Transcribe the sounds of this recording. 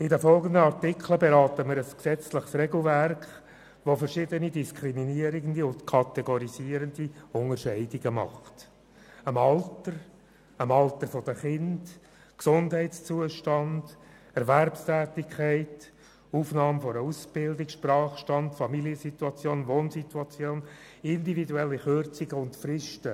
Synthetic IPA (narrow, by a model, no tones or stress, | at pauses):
ɪdəfɔlɡənd̪əɑɾtɪkʰləbɛɾɑːt̪əmɪɾəsksɛt͡sləχsrɛɡl̩værkχ | ʋofəɾʃɪdənidiskʰɾiminiəɾiɡəndiʊntkʰɑt̪ɛɡɔɾiziəɾəndiʊŋəɾʃɛɪdiɡəmɑ̰χt | əmɑltəɾ | əmɑlt̪əɾfod̥əχɪnd̥ | ksʊndɦæɪtst͡suəʃtɑnd̥ | ɛɾværpstæːtɪkʰæɪt | uːfnɑːmfɔɾəusb̥ɪldɪkʃprɑːχʃtɑndfɑmiliəsit̪uɑt͡sjoːnʋoːnsituɑt͡sjoːn | ɪndividuɛlːiχørt͡siɡəʊntfɾɪʃtə